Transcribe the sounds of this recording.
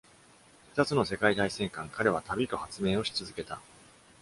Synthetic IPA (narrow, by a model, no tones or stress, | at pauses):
ɸɯ̥t̪at͡sɨno̞se̞kait̪aisẽ̞ŋkãŋkaɾe̞β̞at̪abʲit̪o̞hat͡sɨmẽ̞ːo̞ɕi̥t͡sɨzɨke̞t̪a